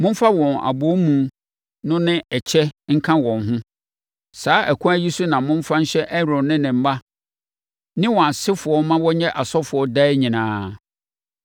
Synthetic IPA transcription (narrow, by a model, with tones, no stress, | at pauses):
mʊ̃˦m˦fa˦wɔ̃˨na̰˨bo˨˦mũ˨ | nʊ̃˦nɪ̃˦ʔɛ˨t͡ɕʰɛ˦ŋ̩˦kʰã˦wɔ̃˨nɦʊ̃˦ | saː˨˦ʔæ˨kʰũ˦æ˦ji˦su˦nã˨mʊ̃˦m̩˦fa˦ɲ̩˦ɕɛ˦ʔɛ˦ɾʊ̃˨nɪ̃˦nɪ̃˨m̩˦ba˦ | nɪ̃˦wɔ̃˨a˨sɪ˦fʊ˨ɔ˦mã˦wɔ˦ɲɛ̃˦ʔa˨sɔ˦fʊ˨ɔ˦da˦ɪ˦ɲĩ˨nãː˦